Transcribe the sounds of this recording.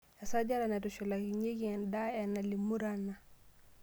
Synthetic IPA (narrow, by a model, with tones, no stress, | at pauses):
a˨sa˦d͡ʒa˦la˨na˨du˨sɔ˨la˨ki˨ɲe˦ɡi˦˨nda˦ɛ˨nːa˨li˨mu˦ɾa˨nːa˨